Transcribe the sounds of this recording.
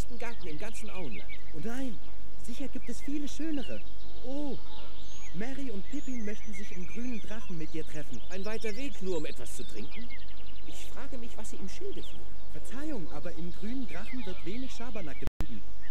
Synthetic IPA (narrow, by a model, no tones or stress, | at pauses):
stn̩ɡaɐtn̩ɪmɡant͡sn̩ʔa̰ʊənla̰ntʔʊntnaɪn | zɪçɐɡiːp̚tɛsfiːləʃøːnəʁə | ʔoː | mɛʁiʊntpʰɪpimœçtn̩zɪçɪnɡʁyːnəndʁaχn̩mɪtʔiːɐtʁ̥ɛfn̩ʔaɪnvaɪtɐveːknuːɐʊmʔɛtv̥ast͡sutʁ̥ɪŋkŋ̩ | ʔɪçfʁ̥aːɡəmɪçv̥asiːiːmʃɪldətʰṵː | fɛɐt͡saɪʊŋʔa̰ːbɐʔɪnɡʁyːnəndʁaχn̩vɪɐtv̥eːnɪçʃaɐbɐnakəbʁiːbm̩